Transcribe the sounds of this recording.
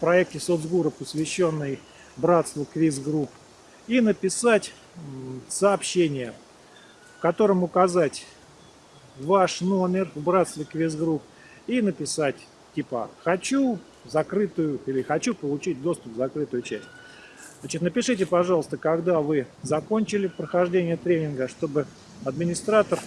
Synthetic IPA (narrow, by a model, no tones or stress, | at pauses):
fpɾɐɛk̚tʲɪsod̪zɡuɾəpəsvʲɪɕːo̞nːɨj | bɾat̪st̪vəkvʲizɡɾup | inəpʲɪsatʲ | səːpɕːenʲɪjə | fkɐt̪o̞ɾəmʊkɐzatʲ | vaʂno̞mʲɪrvbɾat̪st̪vʲɪkvʲizɡɾup | inəpʲɪsatʲ | tʲːipə̰xɐt͡ɕu | zɐkɾɨt̪ʊjʊilʲɪxɐt͡ɕupəlˠʊt͡ɕit̚ʲd̪o̞st̪ʊp̚zɐkɾɨt̪ʊjʊt͡ɕæsʲt̚ʲ | znat͡ɕɪt̪nəpʲɪʂɨtʲɪpɐʐɑlˠəst̪əkɐɡd̪avɨzɐko̞nʲt͡ɕɪlʲɪpɾəxɐʐdʲenʲɪjət̪ɾʲenʲɪnɡəʂt̪o̞bɨ | ɐd̪mʲɪnʲɪst̪ɾat̪ər